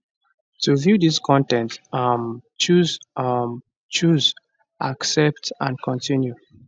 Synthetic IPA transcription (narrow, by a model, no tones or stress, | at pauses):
tuvjuðiskʰɔ̃ntɛ̃ntmt͡ʃuz | t͡ʃuz | ʔaksɛp̚tãnkʰɔ̃ntʰĩnju